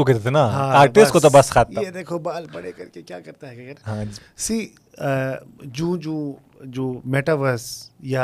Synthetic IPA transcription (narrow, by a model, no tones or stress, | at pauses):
oket̪et̪ʰenaɦãːaːɾʈeskot̪obɐskʰaːt̪jaed̪eːkʰobaːlpɐɽekɐɾkekjaːkɐɾt̪aɦɛkekɐɾnɦã | siː | d͡ʒũːd͡ʒoː | d͡ʒoːmeːʈaʋəɾsja